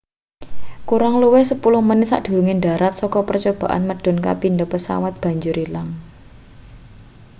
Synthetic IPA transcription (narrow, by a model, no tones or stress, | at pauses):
kuɾaŋluwɛhsəpulʊhmənɪsa̰ʔd̪̥ṳɾuŋenɖa̤ɾat̪̚sɔkɔpərt͡ʃob̥ä̤ʔa̰nməɖ̥ɔ̤nka̰pinɖɔpəsa̰wat̪̚b̥a̤ɲd͡ʒʊɾilaŋ